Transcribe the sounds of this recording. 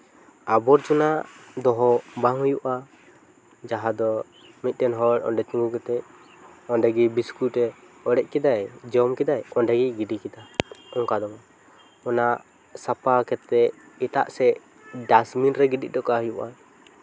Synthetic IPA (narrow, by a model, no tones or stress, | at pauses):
abɔɾt͡ʃɔnaʔd̪ɔɦɔbaŋhujuʔa | d͡ʒaɦad̪ɔ | mit̪̚ˀtɛnɦɔɾɔ̰nɖɛt͡ʃuŋɡukɛt̪ɛc̚ | ɔnɖɛɡibiskuʈɛ | ɔɽɛc̚ˀkɛd̪ajd͡ʒɔmkɛd̪ajɔnɖəɡiɡiɖikɛd̪aɔŋkad̪ɔma | ɔnaʔ | sapakɛt̪ːɛʔ | ɛt̪a̰ʔsɛ | ɖasminɾɛɡiɖḭd̪ɔkaɦujuʔa